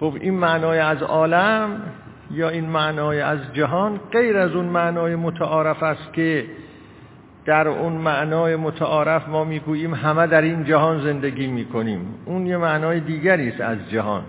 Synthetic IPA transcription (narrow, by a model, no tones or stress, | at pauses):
xobiːnmæʔnɒːjeæzɒːlæm | jɒːiːnmæʔnɒːjeæzd͡ʒæɦɒːnɢe̞jɾæzunmæʔnɒːjemot̪ʰæʔɒːɾæfæst̪̚kʲʰe | d̪̥æɾunmæʔnɒːjemot̪ʰæʔɒːɾæfmɒːmiːɡuːjiːmɦæmæd̪æɾiːnd͡ʒæɦɒːnze̞nd̪eɡʲiːmiːkʰoniːmuːnjemæʔnɒːjed̪iːɡæɾiːst̪æ̰zd͡ʒæɦɒ̰ːn